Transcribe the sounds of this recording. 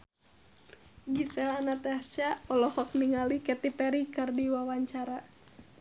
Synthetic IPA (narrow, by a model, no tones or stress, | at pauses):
ɡisɛlanat̪ɛat͡ʃaɔlɔhɔk̚niŋalikɛt̪ipɛɾikɨrdiwawaɲt͡ʃaɾa